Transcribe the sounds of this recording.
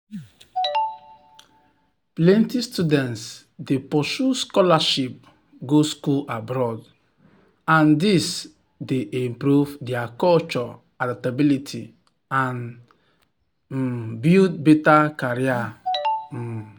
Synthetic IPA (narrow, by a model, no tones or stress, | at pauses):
plɛ̃ntistudɛ̃nts | depɔsuskɔlaʃip̚ | ɡoskulabɾɔd | ãndis | deʔĩmpɾuvdɛakɔlt͡ʃɔ | adatabilitʰi | ãn | butbetakaɹia